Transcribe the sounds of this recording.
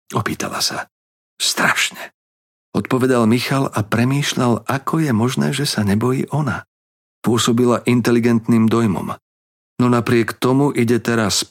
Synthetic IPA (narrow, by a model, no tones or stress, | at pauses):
ɔpiːt̪ʰa̰la̰sa | st̪ɾaʃɲɛ | ɔt̪̚pɔʋɛd̪almixalapɾɛmiːʃʎalʔakʰɔjɛmɔʒnɛ̰ːʒɛsaɲɛbɔjḭːʔɔna | pʊɔsɔbilaʔint̪ɛliɡɛnt̪niːmd̪ɔjmɔ̰m | nɔnapɾɪɛkt̪ɔmuʔiɟɛt̪ɛɾas